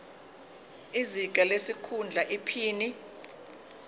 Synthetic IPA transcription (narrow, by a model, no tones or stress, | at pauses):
iziɡ̥ʱalesikʰund͡ɮʱaʔipʰiːni